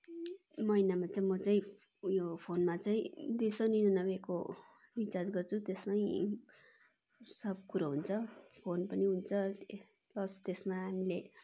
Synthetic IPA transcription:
mʌinamat͡saĩmʌt͡saĩ | jopʰonmat͡saĩd̪ujsʌninʌnʌbeko | bit͡sad͡zɡʌrt͡sʰut̪esmaĩ | sʌb̚kuɾaɦunt͡sʰʌpʰonpʌniɦunt͡sʰʌ | plʌst̪esmaɦamile

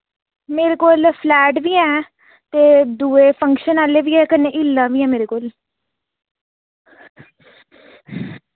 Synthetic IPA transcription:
meːɾeːkoːlpʰlɛːʈʋiːɛː | t̪eːd̪uːeːpʰə̃ŋkʃənaːleːʋiːɛːkənẽːʔɪlːãːʋiːɛ̃ːmeːɾeːkoːl

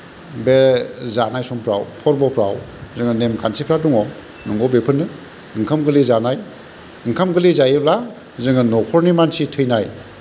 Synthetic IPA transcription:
bezanajsɔmpʰɾa̰wpʰɔɾbɔpʰɾa̰wzɯŋɯnemkʰansipʰɾatuŋɔ | nɯŋɔbepʰɯnɯ | ɯŋkʰamɡɯlizanaj | ɯŋkʰamɡɯlizajebla | zɯŋɯnɔkʰɔɾnimansitʰɯjnaj

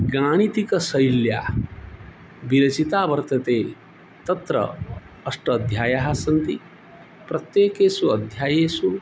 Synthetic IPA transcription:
ɡaːɽ̃it̪ikɐsɐjljaː | biɾɐt͡ʃit̪aːbɐɾt̪ɐt̪eː | t̪ɐt̪ɾɐ̰ | ɐsʈɐːd̪ʱjaːjaːɦasɐnt̪i | pɾɐt̪jeːkeːsuɐd̪ʱjaːjeːsu

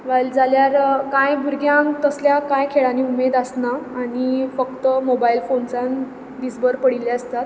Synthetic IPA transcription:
ʋald͡zaljaɾkãjɡʱuɾɡjãŋt̪əsljakãjkʰeɭaniːumed̪asnaːɽ̃ifək̚t̪əmobailfonsãn | d̪id͡zbəɾpəɽiljaəst̪at̪

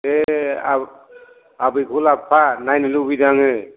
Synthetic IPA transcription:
e | abɯjɡʰʱulapʰanajnɯlubidaŋɦɯ

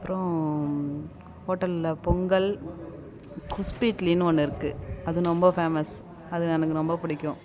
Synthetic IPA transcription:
ɐpːɾõ | hoːʈːɐllɐpɔŋɡɐɭ | kʊspiːʈlinɔnːɯɪɾɯkːɯɐðɯnɔmbɐfeːmɐs | ɐðɯnɐnɯkːɯnɔmbɐpɪɽɪkʲːõ

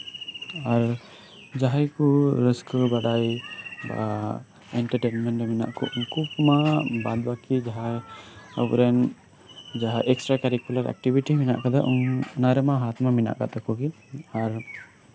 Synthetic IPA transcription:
aɾ | d͡ʒaɦajkuɾəskɔbaɽajba̰ | ɛɳʈaɾʈenmɛnʈɾɛmina̰ʔkɔ̰ʔuŋkukmabad̪̚bakid͡ʒaɦa | ə̰bɾɛn | d͡ʒaɦaʔɛksʈɾakaɾikulaɾa̰k̚ʈibiʈimina̰ʔkad̪aʔɔŋnaɾɛmaɦat̪mamina̰ʔka̰t̪ɔkɔɡi | aɾ

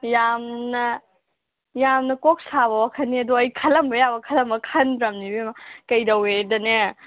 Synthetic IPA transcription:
jamnɐ | jamnɐkok̚saβɐwakʰɐnːiɐduɐjkʰɐlɐmbɐjabɐkʰɐlɐmbɐkʰɐnbɾɐmnibimakɐjdɐwedɐne

